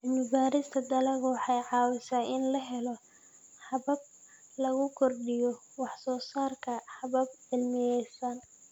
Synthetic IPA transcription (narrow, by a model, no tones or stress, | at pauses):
ɪlmɪbaːɾɪst̪ʰɐd̪ɐlɐɣwɑħɑjʕɑːwɪsaːɪnlɐɦɛlɔ | ħɑβɐb̚ | lɐɣʊkʰɔrɖɪjɔ | wɑħsɔːsaːrkʰɐħɑβɐb̚ʕɪlmɪjɛjsɐn